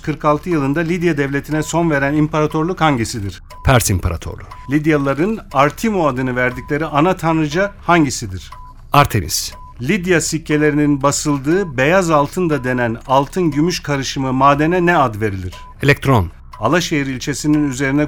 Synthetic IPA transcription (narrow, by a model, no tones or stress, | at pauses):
kʰɯɾkalˠt̪ʰɯjɯlˠɯnd̪alʲid̪jad̪ɛvlʲet̪ʰinɛso̞nve̞ɾænimpʰaɾat̪ʰo̞ɾlˠukhaɲɟisid̪iɾ̥ | pʰæɾsimpʰaɾa̰t̪ʰo̰ɾlˠulʲid̪jalˠaɾɯnaɾt̪ʰimoad̪ɯnɯvæɾd̪iclʲe̞ɾiʔanat̪ʰanɾɯd͡ʒahaɲɟisid̪iɾ̥ | aɾt̪ʰḛmḭs | lʲid̪jasicʰːe̞lʲe̞ɾininbasɯlˠd̪ɯːbe̞jazalˠt̪ʰɯnd̪ad̪e̞nænalˠt̪ʰɯnɟymyʃkʰaɾɯʃɯmɯmaːd̪enɛnɛad̪ve̞ɾilʲiɾ̝̥ | elʲɛk̚t̪ʰɾo̰n | alˠaʃejiɾilʲt͡ʃʰe̞sininyze̞ɾinɛ